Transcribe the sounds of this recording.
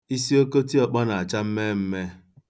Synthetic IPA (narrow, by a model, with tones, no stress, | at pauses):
i˦si˦o˦ko˦ti˦ɔ˨k͡pa˦na˨a˨t͡ʃa˦m̩˦me˦m̩˦me˦